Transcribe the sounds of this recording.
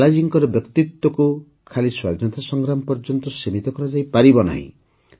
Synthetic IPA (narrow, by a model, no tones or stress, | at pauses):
lad͡ʒiŋkɔɾɔbjɔkt̪it̪wɔku | kʰaliswad̪ʱnɔt̪asɔŋɡɾamɔpɔɾd͡ʒɔnt̪ɔsimit̪ɔkɔɾɔd͡ʒajpaɾibɔna̰ɦḭ̃